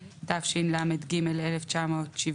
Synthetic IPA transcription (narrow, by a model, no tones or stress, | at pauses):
t̪afʃinlamed̪ɡimeleleft͡ʃamoːt̪ʃiv